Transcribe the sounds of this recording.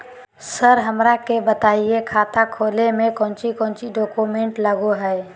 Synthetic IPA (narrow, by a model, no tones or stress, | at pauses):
səɾɦəmɾakebət̪aːiekʰaːt̪ʰakʰoːlemẽkɔ̃ːnt͡ʃikɔ̃ːnt͡ʃiɖoːkumẽɳʈləɡoɦɛj